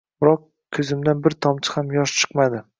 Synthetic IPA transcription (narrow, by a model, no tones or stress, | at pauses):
bɾɒq | kʲʰɵzɪmd̪anbɪɾt̪ʰɒmt͡ʃ̪ʰɪ̥hamjɒʃt͡ʃʰɨ̥qmad̪ɪ